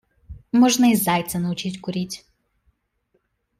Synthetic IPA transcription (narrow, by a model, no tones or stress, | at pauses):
mɔʒnɐizajt̪sʲɛnɐʊt͡ʃitʲkʊɾʲitʲ